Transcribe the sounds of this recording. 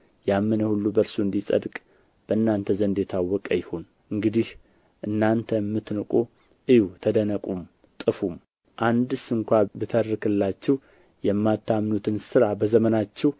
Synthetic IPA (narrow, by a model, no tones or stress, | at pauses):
jamːɨnəhulːubəɾsuɨnd̪isʼə̰d̪kʼ | b̥əɨnːant̪ʰəzənd̪jɛt̪ʰawːɔkʼəjɪhon | ʔɨŋɡɨd̪ih | ʔɨnːant̪ʰəmːɨt̪nɨkʼo | ʔɨjut̪ʰəd̪ənəkʼum | t̪ʼɨfum | ʔand̪ɨsɨŋkʷabɨt̪ʰərɨkʰɨlːat͡ʃːɛw | jɛmːat̪ʰːamnut̪ʰɨnsɨɾabəzəmənat͡ʃːɛw